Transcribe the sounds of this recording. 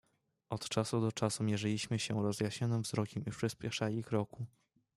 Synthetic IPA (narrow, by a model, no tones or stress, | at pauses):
ʔɔt̪t͡ʂasud̪ɔt͡ʂasumʲjɛʐɘlʲiɕmɘɕɛɾɔzjaɕɲɔnɘmvzɾɔkʲɛmipʂɘspʲjɛʂalʲikɾɔku